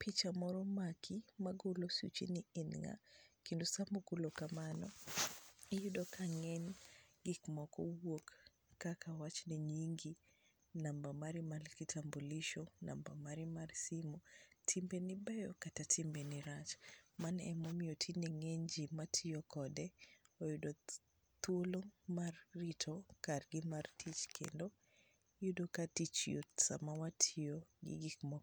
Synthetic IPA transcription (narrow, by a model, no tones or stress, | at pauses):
pit͡ʃamɔɾɔmakʰimaɡolosṵt͡ʃḭniinŋa̰kindosamukulɔkamanɔ | ɛjudɔkʰaŋɛnɡikmɔkɔwokː | akʰawat͡ʃniɲiŋɡi | nambamaɾimalkitʰambuliʃɔnʔa̰mbamaɾimaɾsimɔtʰimbenibɛjɔ̰katatʰimbeniɾat͡ʃmanɛmomiotʰinɛŋeɲd͡ʒimatʰijokɔdɛojudo | t̪wolomarːitʰɔkarɡɪmartʰit͡ʃkʰḛndo | judokatit͡ʃjo̰tsa̰mawatʰioɡḭɡɪkmɔ